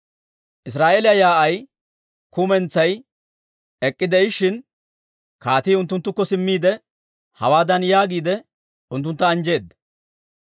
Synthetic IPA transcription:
ʔɪs̬ɾaːʔeːlɪjɐjaːʔɐj | kʊmɛnt͡sːɐj | ɛkʼːɪd̪ɛɪʃːɪn | kaːt̪iːʊnt̪ːʊnt̪ːʊkːɔsɪmːiːd̪ɛ | hɐ̰waːd̪ɐnjaːɡiːd̪ɛ | ʊnt̪ːʊnt̪ːɐːnd͡ʒe̞ːd̪ːɐ

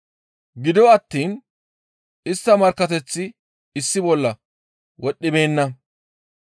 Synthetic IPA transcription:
ɡɪd̪ɔɐt̪ːiːn | ɪst̪ːɐmɐɾkːɐt̪ɛt͡sːɪ | ɪsːɪbɔlːɐ | wɔɗːɪbe̞ːnːɐ

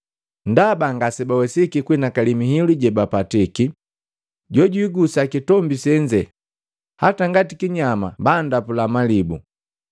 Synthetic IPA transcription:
ndabaŋɡasɛbawɛsikikwinakalimiɦiluɟɛbapatiki | ɟɔɟuiɡusakitɔmbisɛɲd͡ʒɛ | ha̰taŋɡatikiɲama̰bandapulamalibu

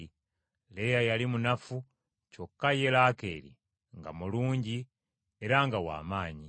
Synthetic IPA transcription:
lejajalimunafu | cokːaje̞lakḛːlḭ | ŋɡa̰muluːɲɟi | eɾaŋɡawa̰ːmaːɲi

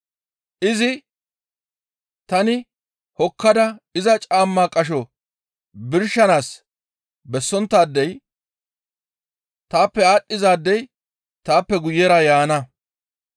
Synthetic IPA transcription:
ʔɪzɪ | t̪ɐnɪ | hɔkʰːɐd̪ɐɪzɐt͡ʃʼaːmːaːkʼɐʃ̬ɔ | bɪɾʃːɐnaːs | bɛsːɔnt̪ːaːd̪ːɛj | t̪aːpːɛaːɗːɪzaːd̪ːɛj | t̪aːpːɛɡʊjːɛɾɐjaːnɐ

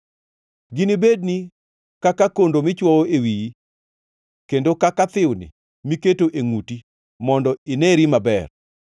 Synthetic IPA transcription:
ɡɪnibedni | kakakondomɪt͡ʃwɔoewiji | kendokakat̪ɪwnɪ̰ | miketoʔeŋuti | mɔndɔɪnɛɾimabɛr

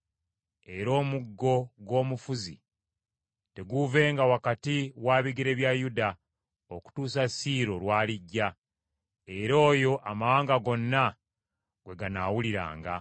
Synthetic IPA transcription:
e̞ɾo̞ːmuɡːo̞ɡwo̞ːmufuzḭ | te̞ɡuve̞ːŋɡawakatiwaːβiɡiɾe̞βjajuda | o̞ku̥tuːsasiːɾo̞lwaːliɟːa | e̞ɾo̞ːjo̞ʔamawaːŋɡaɡo̞nːa | ɡ̥we̞ɡanawuliɾa̰ːŋɡa̰

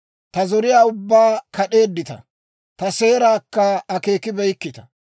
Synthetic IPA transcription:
t̪ɐzɔɾɪjaːʊbːaːkɐɗe̞ːd̪ːɪt̪ɐ̰ | t̪ɐse̞ːɾaːkːɐɐke̞ːkɪbɛjkːɪt̪ɐ̥

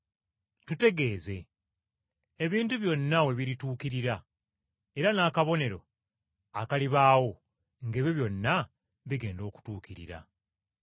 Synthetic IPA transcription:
tute̞ɡe̞ːze̞ | βiːntuβjo̞nːawe̞βiɾituːkiɾiɾa | e̞ɾanaːkaβo̞ne̞ɾo̞̰ | akaliβaːwo̞ | ŋɡeβjoβjo̞nːa | βiɡe̞ːndo̞ːku̥tuːkiɾḭɾa̰

